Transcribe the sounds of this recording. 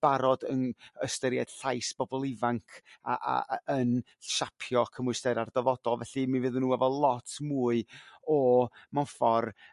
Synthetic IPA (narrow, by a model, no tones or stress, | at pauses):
b̥aɾɔdənəstəɾjɛd̥ɬajsb̥ɔbɔlˠɪvaŋkʰa̰ʔa̰ən | ʃapʰjɔkʰəmʊstɛɾardɛvɔd̥ɔlˠvɛɬimivɨðənːuːɛvɔlˠɔtʰmuːɨɔmanfɔr